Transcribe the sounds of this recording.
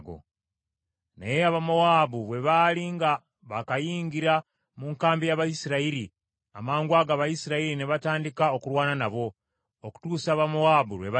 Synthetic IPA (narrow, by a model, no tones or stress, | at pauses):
ɡo̰ | na̰jeaβamo̞waːbuβwe̞βaːliŋɡa | βakajiːŋɡiɾa | muŋkaːmbijaβajisiɾaiɾi | a̰maːŋɡwaɡaːβajisiɾaiɾine̞βataːndikao̞kuɾwaːnanaβo̞ | oku̥tuːsaːβamoaːbuɾwe̞βa